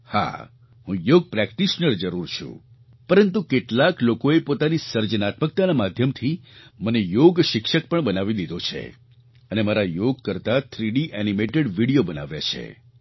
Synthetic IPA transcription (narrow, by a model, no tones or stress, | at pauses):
ha̰ | hũjoɡ̚pɾɛkʈiʃnəɾd͡ʒəɾuɾt͡ʃʰṵ̃ | pəɾənt̪̬ukeʈlaklokoepot̪anisəɾd͡ʒənat̪mək̚t̪anamad̪ʱjəmt̪ʰimənejoɡʃɪkʃək̚pəɳbənaʋid̪id̪ʱot͡ʃʰḛ | ənemaɾajoɡkəɾt̪at̪ʰɾiɽiʔɛnimeʈeɽʋiɽijobəna̰ʋja̰t͡ʃʰḛ